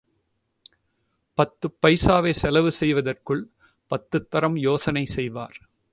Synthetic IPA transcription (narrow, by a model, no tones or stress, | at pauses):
pɐt̪ːɯpːɐɪsaːʋeːsɛlɐʋɯsɛjʋɐðɐrkɯɭ | pɐt̪ːɯt̪ːɐɾɐmjoːsɐnɐɪsɛjʋa̰ːɾ